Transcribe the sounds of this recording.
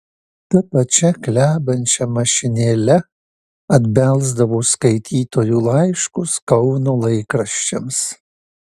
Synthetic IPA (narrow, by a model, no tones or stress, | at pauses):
t̪ɐpɐt͡ʃʲɛklʲæːbɐnʲt͡ʃʲɛmɐʃʲɪnʲeːlʲɛ | ɐd̪ʲbʲɛlˠzd̪ɐʋoːskɐɪt̪ʲʰiːt̪oːjuːlˠɐɪʃkʊskɐʊnoːlˠɐɪkɾɐʃʲt͡ʃʲɛms